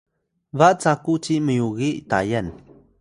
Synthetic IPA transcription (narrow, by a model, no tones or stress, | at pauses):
vat͡sakut͡ɕiməjuɣita̰jən